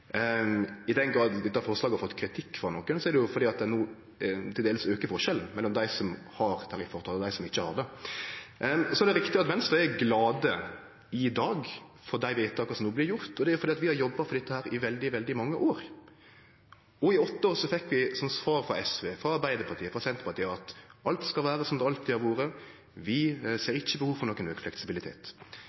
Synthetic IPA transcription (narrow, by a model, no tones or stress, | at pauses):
ɪd̪ɛnɡɾɑːd̪d̪ɛt̪ːæɾfɔɾslɑːɡɑɾfɔt̪ːkʰɾɪt̪ʰɪkːfɾɑnɔːkːənsɔɛɾd̪ɛjʊfɔɾd̪iːɑt̪̚d̪ɛnuː | t̪ʰɪleːləsøːkəfɔɾʂɛln̩mɛlːɔmd̪æɪsɔmhɑɾt̪ʰɑɾɪfɔʁt̪ʰɑd̪æɪsɔmɪçːəhɑ̰ɾd̪ɛ | sɔɛd̪ɛɾɪkt̪ɪɑt̪mɛnsd̪ʉɛɡlɑːd̪ə | ɪd̪ɑːɡ | fɔɾd̪æɪʋeɪt̪ʰːɑkːɑsɔmnuːblɪɾjʊɾt̪ɔd̪ɛæɾjʊfɔɾd̪iːɑt̪ʋɪhɑɾjɔbːɑfɔɾd̪ɛt̪ːəhæːɾɪʋɛld̪ɪʋɛld̪ɪmɑŋːəʔoːɾ | ɔɪɔt̪ːəoːɾsɔfɛkːʋɪsɔmsʋɑːɾfɾɑ̰ɛsʋeːfɾɑɑɾbæɪd̪əɾpʰɑt̪ʰiːəfɾɑsɛnt̪əpɑɾt̪iːəɑt̪ʔɑlt̪skɑlʋæːɾəsɔmd̪ɑlt̪d̪ɛɑɾʋoːɾə | ʋɪseːɾɪçːəbəhuːʋfɔɾnɔkːənøːkflɛksɪbɪlɪt̪ʰḛːt̪